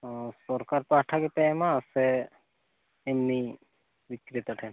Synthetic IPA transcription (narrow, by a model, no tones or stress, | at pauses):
sɔɾkaɾpaʈʰakepɛmãsɛ | mni | ʋikɾit̪aʈʰɛ